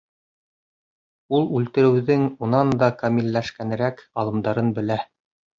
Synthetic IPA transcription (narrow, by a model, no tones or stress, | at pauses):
ulˠʉlt̪ɘ̆ɾɘ̆wðɘŋunɑnd̪ɑkɐmʲilːæʃkænɘ̆ɾækɑlˠɤ̆md̪ɑɾɤnbɘ̆læ